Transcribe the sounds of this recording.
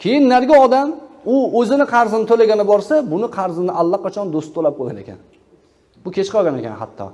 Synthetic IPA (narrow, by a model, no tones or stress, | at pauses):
kʲʰe̞jɪnːaɾɡʲaɒd̪amʊɵzɪnɪqʰɑɾzɪnɪt̪ʰolaɡʲanɪbɒɾsabʊnɪqʰɑɾzɪnɪʔalˠːaqʰɑt͡ʃʰɒnd̪ost̪ʰːolap̚qʰoɡʲanekʲʰa̰n | b̥ʊkʲʰe̞t͡ʃqɒɡʲane̞̰kʲa̰nha̰t̪ʰːɒ̰